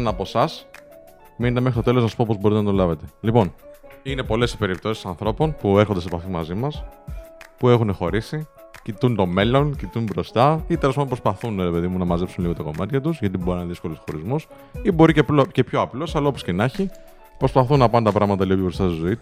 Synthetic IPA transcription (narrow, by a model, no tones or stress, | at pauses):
nɐpo̞sɐs | minet̪eme̞xɾist̪ot̪eloznɐsu̥po̞po̞zboɾit̪enɐt̪olɐve̞t̪e̞lipo̞nine̞po̞le̞si̥pe̞ɾipt̪o̞si̥sɐnθɾo̞po̞npueɾxond̪esepɐfimɐ̰zimɐs | pue̞xunexo̞ɾisi | cit̪unt̪o̞me̞lo̞ncit̪unbɾo̞st̪ɐit̪els̬ɐnd̪opɾospɐθunɾe̞pe̞ðimunɐmɐzepsunliɣo̞t̪ɐko̞mɐt̪çɐt̪uzʝɐt̪iboɾinɐneðisko̞lo̞sxo̞ɾizmos | ibo̞ɾicepce̞pço̞ɐplo̞sɐlɐopo̞scenɐçi | pɾo̞spɐθunɐpɐnt̪ɐpɾɐɣmɐt̪̬ɐliɣoebɾo̞st̪ɐst̪izo̞it̪u